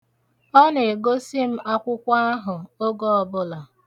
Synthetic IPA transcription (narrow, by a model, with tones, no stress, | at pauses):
ɔ˦ne˨e˨ɡo˦si˦m̩˦ʔa˦kʷʊ˦kʷa˦a˦ɦʊ˨o˦ɡo˦ɔ˨bʊ˦la˨